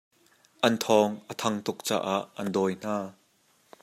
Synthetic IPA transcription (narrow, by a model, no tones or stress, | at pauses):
ʔɐnt̪ʰɔːŋʔət̪ʰɐŋt̪ʊk̚t͡sa̰ːʔaʔːɐndɔːjn̥aː